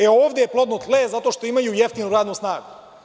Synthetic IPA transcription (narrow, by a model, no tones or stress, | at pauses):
eoːʋd̪ejeplˠod̪not̪lezat̪oːʃt̪o̞imajujeft̪inuɾaːd̪nusnaːɡu